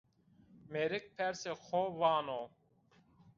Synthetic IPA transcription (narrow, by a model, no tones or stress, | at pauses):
meɾɪk̚pʰɛɾsexʰovɑːno